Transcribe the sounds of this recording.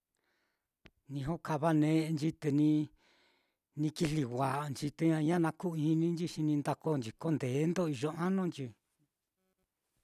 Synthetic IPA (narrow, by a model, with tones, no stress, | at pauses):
nĩ˧ɦo˦ka˧βa˧nẽ˧˦˧nd͡ʒi˧t̪e˧nĩ˧ | nĩ˧ki˧li˧wʷa˨ʔnd͡ʒi˧t̪e˧ɲã˧ɲã˦nã˧ku˦˨i˧nĩ˦nd͡ʒi˧ʃi˧nĩ˧nd̪a˧ko˦˧nd͡ʒi˧ko˦nd̪e˨˦nd̪o˦i˧ʒo˧ã˦nõ˦nd͡ʒi˧